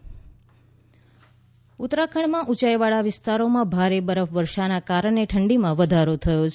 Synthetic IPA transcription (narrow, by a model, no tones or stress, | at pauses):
ut̪ɾakʰəɳmãʔut͡ʃajʋaɭaʋɪst̪aɾomãbʱaɾebəɾəfʋəɾʃanakaɾəɳeʈʰəɳɖimãʋəd̪ʱaɾot̪ʰəjot͡ʃʰ